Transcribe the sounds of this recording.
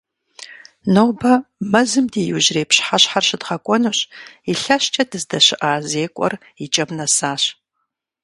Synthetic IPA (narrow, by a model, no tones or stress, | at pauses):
nowbɐmɐzɨmdiːjuʑreːpɕħaɕħarɕɪdʁɐkʷʼɔnuɕiɬɐɕt͡ʃʼɐdɨzdɐɕɪʔaːzeːkʷʼɔ̰r | it͡ʃʼɐbnɐsaːɕ